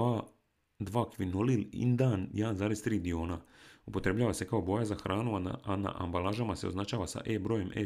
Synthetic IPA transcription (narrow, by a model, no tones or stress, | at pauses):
a | d̪ʋaːkʋinolilḭnd̪aːnjaːnzaːɾest̪ɾiːd̪io̞ːnaupo̞t̪ɾe̞bʎaːʋase̞kao̞bo̞ːjazaxɾʔaːnuaana̰ʔa̰mbalaːʒamase̞oznat͡ʃaːʋasa̰ʔeːbɾoːje̞mʔḛ